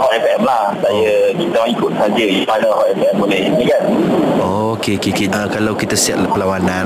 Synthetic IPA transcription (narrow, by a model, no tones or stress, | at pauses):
hɔʔɛpʔɛmlahsajəkit̪əlãŋikʊt̪̚sad͡ʒəanəhɔʔɛpɛmbolɛhɲəkanookekekiəkalawkit̪asiat̪̚pəlawanãn